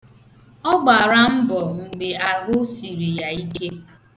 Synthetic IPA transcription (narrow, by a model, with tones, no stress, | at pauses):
ɔ˦ɡ͡ba˨ɾa˦m̩˦bɔ˨ŋ̩˨ɡ͡be˨a˨ɦʊ˦si˨ɾi˨ja˨i˦ke˦